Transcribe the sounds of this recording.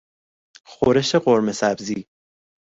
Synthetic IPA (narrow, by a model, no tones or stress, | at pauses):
xoɾeʃeɢoɾmesæbziː